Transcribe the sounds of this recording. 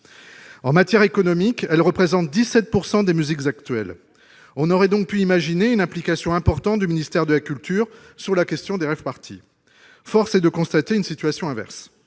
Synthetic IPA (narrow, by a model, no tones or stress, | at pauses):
ɑ̃mat̪jɛʁekɔnɔmikɛlʁəpχezɑ̃t̪̚d̪isɛt̪̚puʁsɑ̃d̪emyzikzakt̪ɥɛl | ɔ̃nɔʁɛd̪ɔ̃k̚pyimaʒineynɛ̃plikasjɔ̃ɛ̃pɔʁt̪ɑ̃t̪̚d̪yminist̪ɛʁd̪əlakʲylt̪yːʁ | syʁlakʲɛst̪jɔ̃d̪eʁɛfpaʁt̪ʰḭ | fɔʁsɛd̪əkɔ̃st̪at̪eynsit̪ɥasjɔ̃ɛ̃vɛ̰ʁs